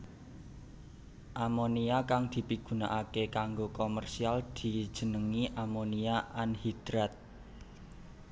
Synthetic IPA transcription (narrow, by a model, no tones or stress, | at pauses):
ʔamoniakaŋd̪̥i̤piɡ̥ṳna̰ʔakekaŋɡokomərsiald̪̥i̤d̥ʒ̥ə̤nəŋiʔamoniaʔanhid̪̥ɾat̪̚